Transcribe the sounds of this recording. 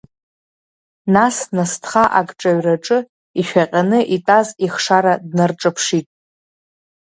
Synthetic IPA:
nasnastʰχaʔakʼʈ͡ʂʼaɥraʈ͡ʂʼɨ | iʃᶣaqʲʼanɨʔitʼaziχʂaɾadnarʈ͡ʂʼapʰʂitʼ

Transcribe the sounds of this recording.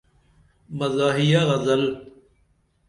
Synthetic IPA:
məzaːɦijaːɣɐzəl

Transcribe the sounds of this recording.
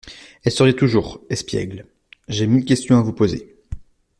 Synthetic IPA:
ɛlsəʁjet̪uʒuːʁɛspjɛ̰ɡl | ʒemilkʲɛst̪jɔ̃avupozḛ

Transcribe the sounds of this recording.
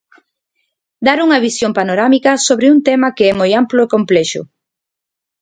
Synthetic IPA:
d̪aɾuŋɐβisjompanoɾamikɐsoβɾɪunt̪ɛmɐkeɛmojamploekomplɛʃʊ̰

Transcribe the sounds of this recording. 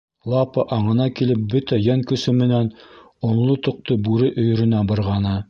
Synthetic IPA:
lˠɑpɤʔɑɴɤ̆nɑkilɘp̚bɵt̪æjæŋkɵ̆sɵmɘ̆næn | ŏnlˠot̪ŏq̚t̪obʉɾɘʔɵ̆j̆ɾɵ̆næbɤ̆ɾʁɑnɤ

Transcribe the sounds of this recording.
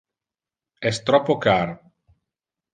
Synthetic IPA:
ɛst̪ɾɔpːokaːɾo

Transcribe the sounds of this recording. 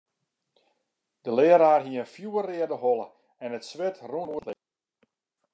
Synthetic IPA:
d̥əlɪəɾaːrɦiəənfjuːərɪədəɦɔlˠə | ɛnətsʋɪtruuətlɪ

